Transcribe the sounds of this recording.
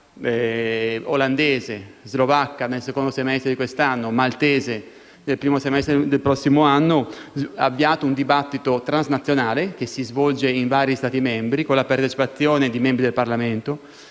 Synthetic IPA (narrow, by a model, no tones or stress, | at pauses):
oland̪eːzezlovakːanelsekond̪osemɛst̪ɾed̪ikwest̪anːomalt̪ɛːze | nelpɾiːmosemɛst̪ɾed̪elpɾɔsːimoanːoa̰vːiaːt̪ound̪ibat̪ːit̪ot̪ɾanznat̪sːjonaːlek̟esːizvɔld͡ʒeiɱvaːɾist̪aːt̪imembɾikonlapaɾt̪et͡ʃi̥pat̪sːjoːned̪imembɾid̪elparlament̪o